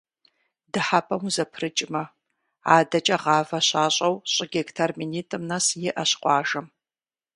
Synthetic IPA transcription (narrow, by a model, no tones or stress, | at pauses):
dɨħapʰʼɐmuzɐpʰrɨt͡ʃʼɪmɐ | aːdɐt͡ʃʼɐʁɑːvɐɕaːɕʼɐwɕʼɪɡʲektʰɐrminiːtʼɨmnɐsjɪʔɐɕqʷʼɑːʒɐm